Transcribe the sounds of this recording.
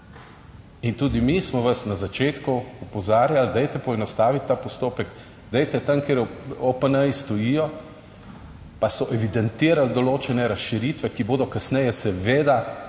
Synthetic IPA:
int̪uːd̪imismɔʋasnazat͡ʃeːt̪kuupɔzaːɾjald̪ɛjt̪ɛpɔɛnɔst̪aːʋit̪ʲːaːpɔst̪oːpɛɡ | d̪ɛjt̪ɛt̪amkeɾopənəjst̪ɔjijɔ | pasɔʔɛʋid̪ɛnt̪iːɾald̪ɔloːt͡ʃɛnɛɾasʃiɾiːt̪ʋɛkiboːd̪ɔkasnɛjɛsɛʋeːd̪a

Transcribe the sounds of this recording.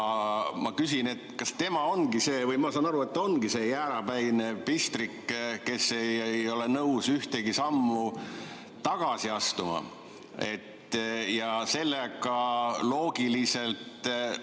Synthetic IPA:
mɑkysine̞t̪ːkɑst̪e̞mɑo̞nɡise̞ːvɤjmɑsɑːnɑɾue̞t̪ːo̞nɡ̥ise̞ːjæːɾɑbæjnepist̪rikːke̞se̞jjo̞lenɤwsyht̪eɡisɑmːu | t̪ɑɡ̥ɑsiɑst̪umɑ̰ | e̞t̪ːjɑse̞lːekɑlo̞ːɡ̥ilise̞lt̪

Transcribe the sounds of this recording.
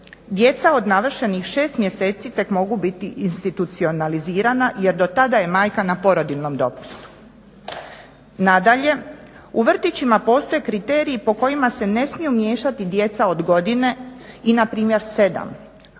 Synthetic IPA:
d̪je̞t̪sao̞d̪naʋr̩ʃe̞nixʃe̞ːst̪mje̞se̞ːt̪sit̪e̞kmo̞ɡubit̪iʔinst̪it̪ut̪sio̞naliziːɾanaje̞ɾd̪o̞t̪ad̪aje̞maːjkanapo̞ɾo̞d̪ilno̞md̪o̞pu̥st̪u̥ | nad̪aʎe̞ | uʋr̩t̪it͡ɕimapo̞ːst̪o̞je̞kɾit̪eːɾiːpo̞ko̞jimase̞ne̞smijumje̞ːʃat̪id̪je̞t̪sao̞d̪ɡo̞d̪ine̞inapɾiːmje̞ɾse̞d̪a̰m

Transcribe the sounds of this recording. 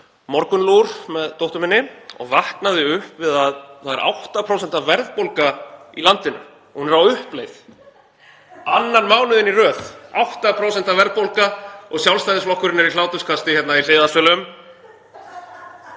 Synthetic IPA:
mɔɾkʏnluɾ̥mɛðt̪owht̪ʏmɪnːɪɔ̰ɣvahknaðɪʏhpvɪðaðθaðɛɾʔa̰wht̪apʰɾoːwsɛn̥t̪avvɛɾðpowlkailant̪ɪnʏ̰ | hunɛɾawʏhplejθ | anːanmaːwnʏðɪnirœːθawht̪apʰɾows̬ɛn̥t̪avɛɾðpowlkaɔɣsjawlst̪ajðɪsflɔhkʏɾɪnːɪɾilaːwt̪ʏskʰast̪ɪçjɛt̪nail̥eːðasœlʏm

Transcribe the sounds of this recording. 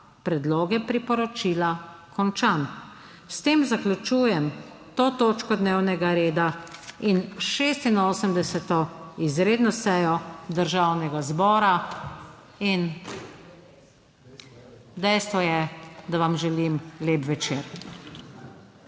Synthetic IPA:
pɾɛd̪loːɡɛpɾipɔɾɔt͡ʃiːlakɔnt͡ʃan | st̪eːmzaklʲut͡ʃuːjɛm | t̪oːt̪oːt͡ʃkɔd̪neːwnɛɡaɾeːd̪ainʃeːst̪inoːsəmd̪ɛsɛt̪ɔizɾeːd̪nɔsɛjɔd̪əɾʒawnɛɡazbɔːɾa | in | d̪ɛjst̪ʋɔjɛd̪aʋamʒɛlimleːpʋɛt͡ʃeːɾ

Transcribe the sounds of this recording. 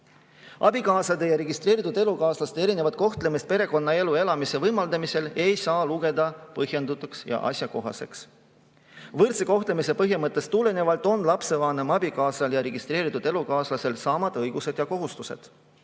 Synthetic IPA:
ʔɑ̰bikɑːslɑd̪ejɑɾe̞ɡist̪re̞ːɾit̪ud̪e̞lukɑːslɑst̪e̞ɾine̞vɑt̪̚ko̞ht̪le̞mist̪̚pe̞ɾe̞ko̞nːɑe̞lue̞lɑmise̞vɤjmɑld̪ɑmise̞le̞jsɑːluɡe̞d̪ɑpɤɦje̞nd̪ut̪ːˑuksjɑ̰ʔɑ̰sʲjɑko̞ɦɑ̰se̞̰ks | vɤrt̪seko̞ht̪le̞mise̞pɤɦjimɤt̪ˑːe̞st̪ule̞ne̞vɑlt̪ˑo̞nlɑpse̞vɑːnemɑbikɑːsɑljɑɾe̞ɡ̥ist̪ɾe̞ːɾit̪ˑud̪̥e̞lukɑːslɑse̞lsɑːmɑd̪̥ɤ̞jɡ̥use̞d̪̥jɑko̞ɦust̪use̞̰d̪̥

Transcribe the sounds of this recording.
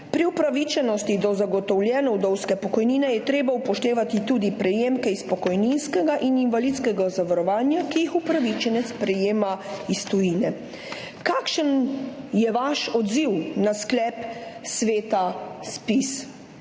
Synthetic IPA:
pɾiupɾaʋit͡ʃɛnɔst̪id̪ɔzaɡɔt̪ɔwlʲjɛːnɔwd̪ɔwskɛpɔkɔjniːnɛjɛt̪ɾeːbaupɔʃt̪eːʋat̪it̪uːd̪ipɾɛjeːmkɛispɔkɔjninskɛɡaʔininʋalit̪skɛɡazaʋaɾɔʋaːnjakijixupɾaʋit͡ʃɛnɛt̪spɾɛjeːmaist̪ɔjiːnɛ | kakʃənjɛʋaʃɔd̪ziwnasklɛːpsʋeːt̪aspis

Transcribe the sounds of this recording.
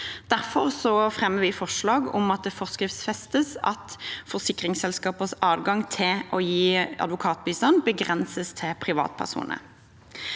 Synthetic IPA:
d̪̥æʁfɔʁsɔfʁɛmːəʁʋɪfɔʂlɑːɡɔ̰mɑt̪̚d̪ɛfɔʁskʁɪft̪sfɛst̪əsɑ̰t̪fɔʁsɪkʁɪŋsɛlskɑːpəsɑːʋɡɑŋt̪ʰɪlʔɔjiːɑ̰d̪ʋʊkʰɑːt̪̚biːst̪ɑnbəɡʁɛnsəst̪ʰɪpʰʁɪʋɑ̰ːt̪pʰæ̰ʁsṵːnʔə̰

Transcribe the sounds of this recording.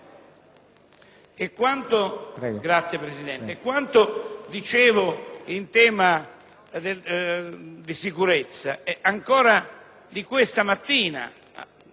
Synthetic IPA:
ekːwant̪oɛɡɾat̪sːjepɾesid̪ɛnt̪ekːwant̪od̪it͡ʃeːvʊint̪ɛːma | d̪e | d̪isikuɾet̪sːaɛaŋkɔːɾa | d̪ikwest̪amat̪ːiːna̰

